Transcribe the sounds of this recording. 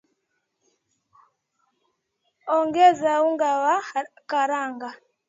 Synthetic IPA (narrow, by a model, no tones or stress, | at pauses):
oŋɡezawuŋɡawa | kaɾaːŋɡa